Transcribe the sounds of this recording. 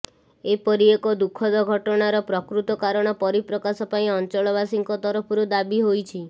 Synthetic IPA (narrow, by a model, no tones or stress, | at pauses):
epɔɾiekɔd̪ukʰːɔd̪ɔɡʱɔʈɔɽ̃aɾɔpɾɔkɾut̪ɔkaɾɔɽ̃ɔpɔɾipɾɔkasɔpaĩɔnt͡ʃɔɭɔβasiŋkɔt̪ɔɾɔpʰɔɾud̪abiɦojt͡ʃʰi